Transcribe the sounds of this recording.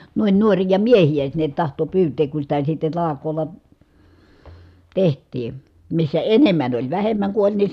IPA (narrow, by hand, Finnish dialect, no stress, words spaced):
nuin nuorijɑ miehij̆æ sinːet tɑhto pyːteːk ku sitæ sitːe tɑlɑkˑoːlːɑ tehtˑiː misːæ enemˑæn olʲ ʋæhemˑæŋ ku olʲ ni